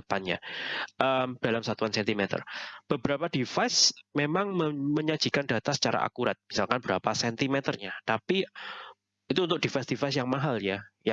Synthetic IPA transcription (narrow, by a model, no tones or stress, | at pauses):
əpanɲa̰ʔəmd̥alamsat̪uansɛnt̪imet̪ə̰rb̥əbəɾapadifajsmemaŋməməɲḁd͡ʒ̥i̤kanda̤t̪asə̥t͡ʃaɾa̰ʔa̰kuɾat̪̚misalkanbəɾapasɛnt̪imet̪ərɲat̪api | it̪uːnt̪ʊk̚d̥ifajsd̥ifasjaŋmaɦaljaja